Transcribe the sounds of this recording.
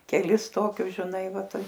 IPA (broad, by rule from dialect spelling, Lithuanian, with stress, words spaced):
kʲɛˈlʲɪs ˈtoːkʲʊs ʒʲɪˈnɐɪ ˈʋɐ ˈtɐɪ